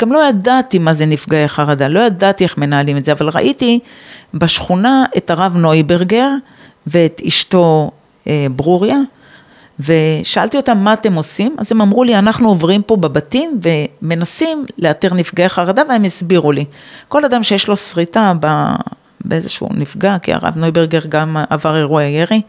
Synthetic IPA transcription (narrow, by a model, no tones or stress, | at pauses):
ɡ̥amlo̞jadat̪imazenifɡaeχaʁad̪alo̞jad̪at̪ie̞χme̞naːlimedzeavalʁa̰ʔitibaʃχunaetaʁavno̞ibe̞ʁɡeʁ | veːt̪iʃto̞ | ebʁuʁja | ve̞ʃaalt̪io̞tamːaːt̪e̞mo̞sima̰zemamʁulianaχnuovʁimpo̞bebatimve̞me̞nasimleatiʁnifɡaaχaʁad̪aveemisbiʁuliko̞lad̪amʃejeʃlo̞sʁitaba̰ | beʔezḛʃṵnifɡakḭa̰ʁa̰vno̞jbeʁɡe̞ʁɡamavaʁeʁuajeʁi